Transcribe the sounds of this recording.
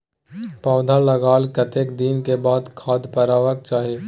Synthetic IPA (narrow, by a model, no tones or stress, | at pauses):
pɔːd̪ʱaləɡaːlkət̪eːkd̪inkebaːd̪kʰaːd̪pəɾaːʋək̚t͡ʃaːɦe